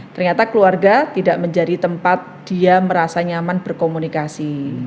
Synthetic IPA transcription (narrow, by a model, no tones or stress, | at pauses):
t̪ərɲat̪akəluarɡat̪idaʔməɲd͡ʒadit̪əmpat̪̚d̥iaməɾasaɲamanb̥ərkomunikasi